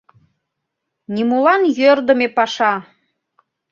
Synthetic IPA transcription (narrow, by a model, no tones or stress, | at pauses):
nʲimulɑnjørd̪ə̆mepɑʃɑ